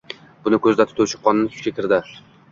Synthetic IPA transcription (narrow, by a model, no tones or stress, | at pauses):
b̥ʊnɪkʲʰɵzd̪at̪ʰʊ̥t̪ʰawt͡ʃʰɪ̥qːɒnɪnɪʃʰʊ̥kʲakʲʰɪɾd̪ɪ